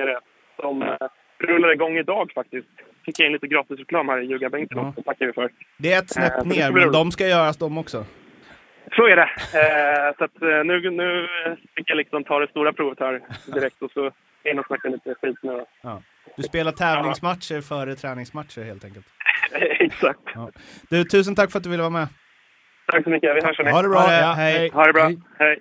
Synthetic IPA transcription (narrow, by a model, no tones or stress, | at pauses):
ɾə | sɔm | ɾɵlːaɾɪɡɔŋːɪd̪ɑːɡfak̚t̪ɪst̪ | fɪkːjaɪnliːt̪əɡɾɑːt̪ɪsɾɛkʰlɑːmhæːɾɪjʉ̟ːɡabɛŋkənɔsɔt̪ʰakːaɾvɪfœɾd̪ɛɛt̪snɛpːneːɾɾd̪ɔmskajœːɾasd̪ɔmːɔksɔ | sɔæɖɛ | sat̪nʉ̟nʉ̟ːfɪkːjalɪksɔmt̪ʰɑːɾɛst̪uːɾapʰɾʊvt̪ʰœːɾd̪ɪɾɛk̚t̪ɔsɔ | ɪnɔsnakːaliːt̪əɧiːt̪nʉ̟ːɔɑː | d̪̥ɵspeːlaʈʰɛːvlɪŋsmat̪ʂəɾfœːɾət̪ʰɾɛːnɪŋsmat̪ʂəɾheːlt̪ɛŋkəlt̪ɛksak̚t̪ɑː | d̪̥ʉːt̪ʰʉ̟ːs̬ənt̪ʰakːfœɾat̪̚d̪ɵvɪlːəvɑːmɛ | t̪ʰaksɔmʏkːəvɪhœːʂɛmɛhaːɖɛbɾɑːhɛjjhaɖɛbɾɑhɛj